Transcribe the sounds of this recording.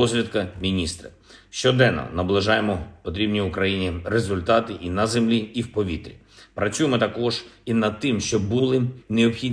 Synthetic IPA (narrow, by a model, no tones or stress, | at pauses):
ɔzʲlʲɐd̪kɐmʲinʲist̪ɾɐ̰ | ʃt͡ʃɔd̪ɛnːɔ̰nɐblˠɪʒɑjemɔpɔt̪ɾʲibnʲiʊkɾɐjinʲirezʊlʲt̪ɑt̪ɪʔinɐzemlʲiiwpɔʋʲḭt̪ɾʲḭ | pɾɐt͡sʲujɪmɔt̪ɐkɔʒ̥inɐd̪̚t̪ɪmʃt͡ʃɔbːulˠɪneɔpxʲidʲ